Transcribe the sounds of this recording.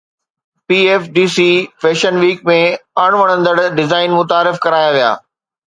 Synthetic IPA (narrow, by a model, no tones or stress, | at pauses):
piːeːfɖiːsifʰeːʃənʋiːkmẽəɽ̃ʋəɽ̃ə̃nd̪əɽɖɪzaːɪnmʊt̪aːɾɪfkɐɾaːjaʋija̰ː